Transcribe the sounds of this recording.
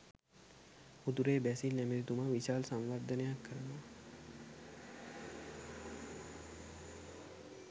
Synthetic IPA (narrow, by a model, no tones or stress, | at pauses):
ud̪uɾeːbæsilnæmeɾit̪uməʋiʃaːlsamʋaɾd̪ʱənejakːəɾənaː